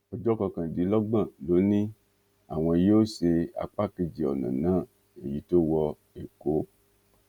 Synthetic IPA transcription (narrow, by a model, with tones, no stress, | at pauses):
o˨d͡ʒɔ˦kɔ˧kã˨di˨˦lɔ˦ɡ͡bã˦˨lo˨˦nĩ˦ | a̰˨w̃ɔ̃˨e˨je˦wo˦se˧a̰˨k͡pa˦ki˧d͡ʒi˨ɔ̰˨nã̰˨nã˦ | ḛ˨ji˨˦t̪o˦wɔ˦ | e˨ko˦